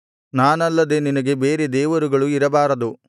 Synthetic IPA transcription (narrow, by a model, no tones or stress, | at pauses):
naːnɐlːɐd̪e̞ninɐɡe̞beːɾed̪ɛːʋɐɾuɡɐɭuiɾɐbaːɾɐd̪u